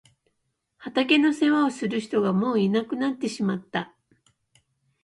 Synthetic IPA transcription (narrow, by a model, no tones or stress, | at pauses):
hat̪ak̬e̞no̞se̞βao̞sɨɾɯ̟çi̥t̪o̞ɡamo̞ːinakɯ̟nat̪ːe̞ɕimat̪ːa